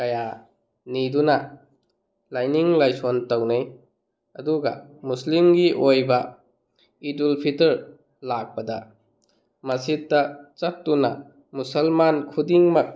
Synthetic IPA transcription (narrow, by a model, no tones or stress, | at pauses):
kɐja | nidunɐ | lajniŋlajsontɐwnej | ɐduɡɐ̰muslimɡiʔojbɐ | idulpʰitɐɾ | lak̚pɐdɐ̰ | mɐsitːɐt͡ʃɐp̚tunɐ | musɐlmankʰudiŋmɐk̚